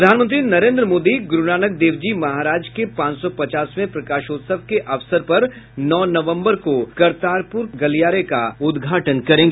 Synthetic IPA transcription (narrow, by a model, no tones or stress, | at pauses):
ɾɐd̪ʱaːnmə̃nt̪ɾinɐɾẽːnd̪ɾəmoːd̪iɡɾʊnaːnək̚d̪eːʋd͡ʒimɐɦaːɾaːd͡ʒkepãːt͡ʃsɔpɐt͡ʃaːsmẽpɾɐkaːʃoːt̪səʋkeʔɐʋsəɾpɐɾ | nɔːnɐʋə̃mbəɾkokɐɾt̪aːɾpʊɾɡɐlijaːɾekaʊd̪ɡʱaːʈənkɐɾẽːŋɡe